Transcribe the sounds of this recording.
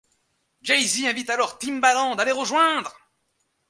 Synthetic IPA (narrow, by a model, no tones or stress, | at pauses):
d͡ʒɛjziɛ̃vit̪alɔʁt̪imbalɑ̃d̪aleʁəʒwɛ̃d̪ʁ